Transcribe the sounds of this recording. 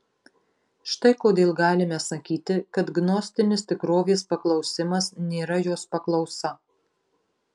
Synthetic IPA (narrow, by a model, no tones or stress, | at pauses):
ʃt̪ɐɪkoːd̪ʲeːlˠɡɑːlʲɪmʲɛsɐkʲiːt̪ʲɪkɐt̪ɡnɔsʲt̪ʲɪnʲɪst̪ʲɪkɾoːʋʲeːspɐklˠɒʊsʲɪmɐsnʲeːɾɐjoːspɐklˠɒʊsɐ